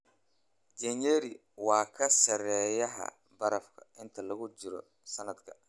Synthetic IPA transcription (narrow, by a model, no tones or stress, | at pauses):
d͡ʒɛnɛɾɪ | wɑːkʰɐsɐɾɛːjɐɦɐ̰ | bɐɾɐfkʰɐ̰ʔɪnt̪ʰɐlɐɣʊt͡ʃɪɾɔ̰ | sɐnɐd̪kʰɐ̥